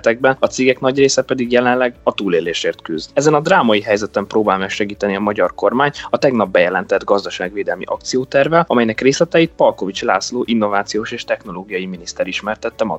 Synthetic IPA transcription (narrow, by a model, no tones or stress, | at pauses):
t̪ɛɡ̚bɛnɒt̪seːɡɛknɒɟreːsɛpɛd̪iɡjɛlɛnlɛɡɒt̪uːleːleːʃeːrt̪kyzd̪ɛzɛnɒd̪raːmɒjiɦɛjzɛt̪ɛmproːbaːlmɛːkʃɛɡiːt̪ɛniɒmɒɟɒrko̞rmaːɲɒt̪ɛɡnɒb̚ːɛjɛlɛnt̪ɛd̪ɡɒzd̪ɒʃaːɡveːd̪ɛlmḭʔɒk̚t̪sijoːt̪ɛrvɛlɒmɛjnɛkreːslɛt̪ɛjit̪̚pɒlko̞vit͡ʃla̰ːsloːʔinːo̞vaːt̪sijoːʃeːʃt̪ɛxno̞loːɡijɒjiminist̪ɛɾiʃmɛrt̪ɛt̪ːɛmɒ̰